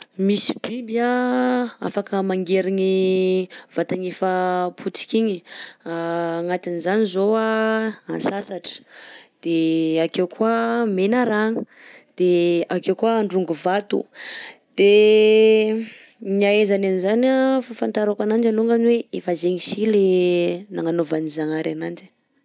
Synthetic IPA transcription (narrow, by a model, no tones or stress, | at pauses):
misi̥b̥ibia | a̰fakəmaŋɡeɾiɲi | v̥at̪aɲefəpʰut͡si̥kʲiɲiaːŋat̪inizanizoaa̰nsasaʈ͡ʂə̥d̪̥eakewkwuamenaɾaŋə̥ | d̪̥eakewkuaːɳɖ͡ʐuŋɡuvat̪ṵd̪̥e | ɲiaezananizanafafant̪aɾakanand͡ʒaluŋɡanweefazeɲisilenaŋanovanizaŋaɾanand͡ʒi̥